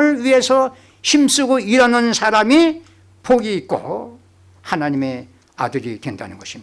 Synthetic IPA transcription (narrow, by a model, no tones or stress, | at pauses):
ɯɭɥie̞sʰʌ | ɕʰims͈uɡoiɾanɯnsʰaɾami | poɡiːk̚k͈o̰ | hanaɲime̞ | a̰dɯɾidwe̞nda̰nɯnɡʌɕʰimi